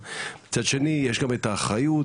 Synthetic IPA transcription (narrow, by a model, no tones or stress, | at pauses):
mit͡sad̪ʃe̞nijeʃɡamet̪aːχajut